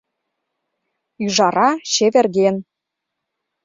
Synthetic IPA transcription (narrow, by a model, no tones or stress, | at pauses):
yʒɑɾɑɕeβĕrɣen